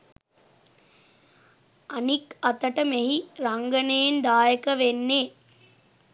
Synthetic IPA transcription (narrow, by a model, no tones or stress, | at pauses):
anikɐt̪əʈəmeɦiɾaŋɡənejnd̪aːjəkəʋenːeː